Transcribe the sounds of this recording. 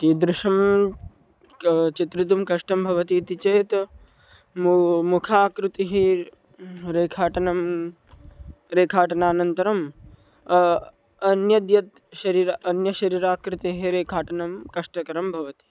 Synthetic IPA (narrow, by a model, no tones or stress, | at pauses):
kiːd̪ɾɪʃɐm | t͡ʃit̪ɾit̪̬umkɐʂʈɐmbʱɐʋɐt̪iːt̪it͡ʃeːt̪ | mmukʰaːkɾut̪iɦi | ɾeːkʰaːʈɐnɐm | ɾeːkʰaːʈɐnaːnɐnt̪ɐɾɐm | ɐnjɐd̪jɐt̪ | ʃɐɾiːɾɐnjɐʃɐɾiːɾaːkɾut̪iɦiɾeːkʰaːʈɐnɐmkɐʂʈɐkɐɾɐmbʱɐʋɐt̪i̥